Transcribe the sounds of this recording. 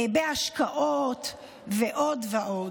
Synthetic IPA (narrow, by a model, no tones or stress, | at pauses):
beaʃkaʔot̪ | veʔod̪veʔo